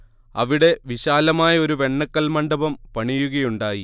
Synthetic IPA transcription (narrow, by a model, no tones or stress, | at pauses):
ɐʋiɽe̞ʋiɕaːlɐmaːjɐo̞ɾuʋe̞ɳːɐkːɐlmɐɳɖɐbɐmpɐɳijuɣɐjuɳɖaːji